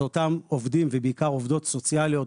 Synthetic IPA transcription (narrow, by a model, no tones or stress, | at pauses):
otamo̞vd̪imvebeikaʁo̞vd̪o̞tso̞t͡sjalijo̞t